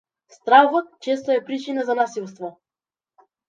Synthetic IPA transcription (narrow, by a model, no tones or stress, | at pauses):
st̪ɾavɔt̪̚t͡ʃɛst̪ɔɛpɾit͡ʃinazanasilˠst̪vɔ